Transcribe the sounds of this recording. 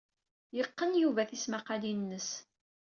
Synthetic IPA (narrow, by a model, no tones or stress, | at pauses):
jəqːənjuvæθismaqalinːəs